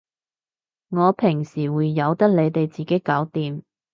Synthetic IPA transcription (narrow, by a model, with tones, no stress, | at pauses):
ŋɔː˨˧pʰɪ˨˩ŋsiː˨˩wuː˨˧jːɐ˨˧wt̪ɐ˥k̚le˨˧jt̪e˨jt͡siː˨˩ke˨˥jkɐː˨˥wt̪iː˨m